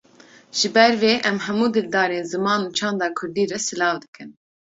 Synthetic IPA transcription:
ʒ̥ɨbɛɾveːʔɛmɦɛmuːd̪ɨld̪ɑːɾeːnzɨmɑːnuːt͡ʃʰɑ̃ːnd̪ɑːkʰʊɾd̪iːɾɛsɨlɑːvd̪ɨkɨn

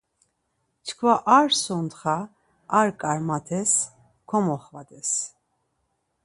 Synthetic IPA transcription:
t͡ʃʰkʰvaʔaɾsɔnt̪χaː | ɾkʼaɾmat̪ʰɛs | kʰɔmɔχvad̪ɛs

